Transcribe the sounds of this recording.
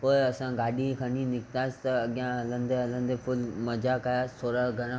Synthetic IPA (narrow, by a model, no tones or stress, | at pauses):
poːɪɐsãɡaːɗikʰaninɪkt̪aːsɪ̥t̪ɐːɠjãɦɐlə̃nd̪eɦɐlə̃nd̪epʰʊlmɐd͡ʒakaːjaːsʰoːɾaɡʱɐɾã